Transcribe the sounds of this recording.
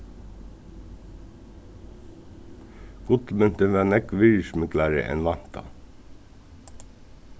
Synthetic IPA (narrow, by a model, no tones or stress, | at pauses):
ɡ̥ʊt̪mœnt̪əʋeːnɛkʋʏːʃmʏklɑːɾə̰ʔɛ̰nʋɑnt̪ɑ̰